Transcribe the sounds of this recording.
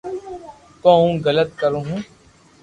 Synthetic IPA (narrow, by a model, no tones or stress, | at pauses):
kõːũːɡələt̪̚kəɾõːɦũː